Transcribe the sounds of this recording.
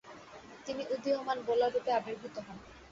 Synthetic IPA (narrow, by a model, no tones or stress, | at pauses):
t̪iniʔud̪ʱiɦomanbolaɾupeabeɾbʱut̪ɔɦɔn